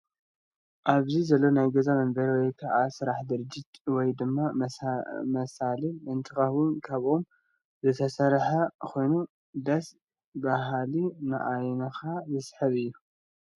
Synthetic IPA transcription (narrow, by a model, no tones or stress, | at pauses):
ʔaβzizɐlːo̞najɡɐzamɐmbɐɾwɔjkʰaʕasɨɾaħd̪ɨɾɨd͡ʒɪt̪wɔjd̪ɨmːa | mɐsaliɨnt̪ʰɨxɐwʊnkʰaβʔom | zɨt̪ʰɐsɐɾħakʰo̞jnu | d̪ɐs | baɦalinɨ̰ʔajnɐxazɨsħɐβɨjːu